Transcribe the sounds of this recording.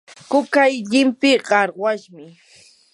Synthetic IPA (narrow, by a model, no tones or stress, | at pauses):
kʊkajʎɪmpɪɢɑɾɢwaʃmɪ